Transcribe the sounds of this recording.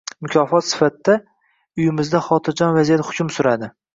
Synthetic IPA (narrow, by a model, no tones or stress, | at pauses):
mʊkʲʰɒfɒt̪sɪ̥fat̪ːa | ʊjɪmɪzd̪aχɒt̪ʰɪɾd͡ʒɒnvazijat̪hʊ̥kʰʲʊmsʊɾad̪ɪ